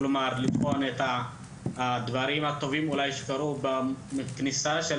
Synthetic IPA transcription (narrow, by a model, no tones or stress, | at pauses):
lomaʁlifo̞net̪a | d̪vaɾimat̪o̞vimulajʃe̥kaɾubameknisaʃe